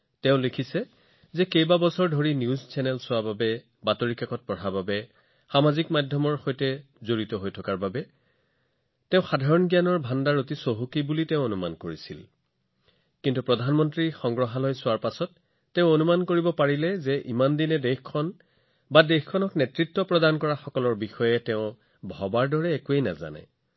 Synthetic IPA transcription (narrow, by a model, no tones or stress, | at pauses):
tɛʊ̃lekʰisɛ | zɛkejbabɔsɔɹdʱoɹinjuzt͡ʃɛnɛlsʊababɛ | batoɹikakɔt̚pɔtʰababɛ | xamazikmadʱjɔmɔɹxojtɛ | zoɹitɔɦojtʰɔkaɹbabɛ | tɛ̃ʊ̃xadʱaɹɔnɡijanɔɹbʱandaɹotisoɦukibulitɛʊ̃onuma̰nkoɹisḭl | kintupɹɔdʱanmɔntɹixɔŋɡɹɔɦalɔjsʊwaɹpasɔtː | ɛʊ̃onumankoɹibɔpaɹilɛzɛʔimandinɛdexkʰːɔn | badexkʰɔnɔknetɹitːɔpɹɔdankɔɹaxɔkɔlɔɹbixɔjɛtɛʊ̃ | bʱɔbaɹdɔɹɛːkuejna̰za̰nɛ̰